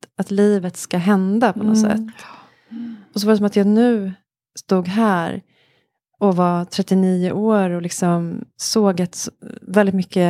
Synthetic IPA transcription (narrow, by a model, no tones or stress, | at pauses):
at̪liːvət̪skaɦɛnd̪apʰɔnɔ̰sɛ̰t̪ː | ɔs̬ɔvaɾɛs̬ɔmat̪jɑːɡnʉ̟ː | st̪uːɡɦæːɾ | ɔvat̪ʰɾɛt̪ːɪniːʊ̰ʔoːɾɔlɪksɔmsoːɡat̪svɛld̪ɪt̪mʏkːə